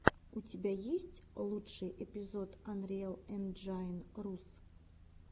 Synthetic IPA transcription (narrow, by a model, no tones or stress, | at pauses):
utʲɪbʲajesʲtʲlˠutʂɨjʔepʲɪzot̪ɐnɾʲɪɛlˠɛnʐanrus